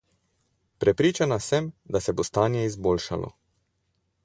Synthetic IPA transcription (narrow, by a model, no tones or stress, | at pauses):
pɾɛpɾiːt͡ʃanasɛmd̪asɛbost̪aːnjɛizboːlʃa̰lɔ̰